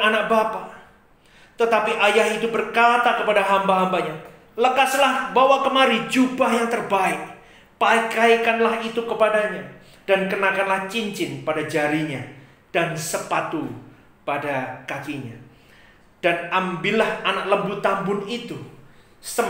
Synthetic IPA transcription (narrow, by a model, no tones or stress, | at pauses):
anak̚bapa | t̪ət̪apiʔajaɦit̪ubərkat̪akəpadaɦambaɦambaɲa | ləkaslahbawakəmaɾid͡ʒubahjaŋt̪ərbaɪk̚ | pakaikanlaɦit̪ukəpadaɲa | d̥ankənakanlaht͡ʃiɲt͡ʃɪnpadad͡ʒaɾiɲa | d̥ansəpat̪u | padakakiɲa̰ | d̥anambɪlahanak̚ləmbʊt̪ambʊnit̪u | sə